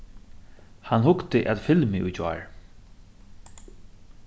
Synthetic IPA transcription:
hanhʊkt̪ɪʔɛ̰t̪fɪlmɪʔʊ̰t͡ʃa̰ːɹ

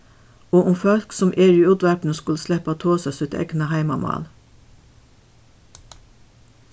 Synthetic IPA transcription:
oːʔʊmfœlksɔmʔeːɹyʉd̪ʋæpn̩əskʉlslɛpɑt̪ʰoːsɑsʉt̪ɛ̰knɑhæɪmɑmɑ̰ːl

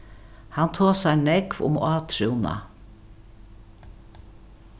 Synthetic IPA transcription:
hant̪ʰoːsæɪnɛkvʊ̰mɑːt̪ʰɾuwna̰

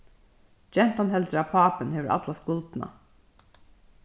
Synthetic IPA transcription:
d͡ʒɛnt̪anɦɛld̪ɾəaːpʰɑːpənheːʋəɾʔɑ̰t̪laskʊlt̪na̰

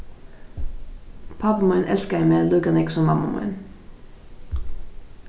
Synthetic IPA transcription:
pʰɑbəmɑʏnʔɛlskəæɪmeːlʉɡənɪksɔmːɑmɑ̰mɑ̰ʏn

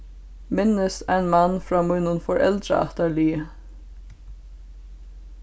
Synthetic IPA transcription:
mɪnːəst̪æɪnmanːfɹɑːmujnʊnfɔɹʔɛ̰lt̪ɾa̰ɑ̰ht̪aɹliː

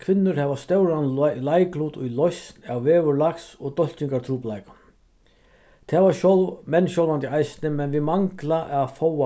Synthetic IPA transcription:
kʰvɪnːʏɾhɛvast̪œwɾanlajkluːt̪ʊjlɔjsnawvɛːvʏɾlaksɔɣt̪ɔl̥t͡ɕiŋkaɾt̪ʰɾuːplajkḁ | t̪ʰɛːvaɕɔlmɛnːɕjɔlvant̪iajsnɪmɛnvɪmaŋklaʔafɔwa

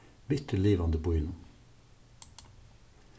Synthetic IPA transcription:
bʏt̪ʰəleːʋɑnd̪əbʊɪnʊ

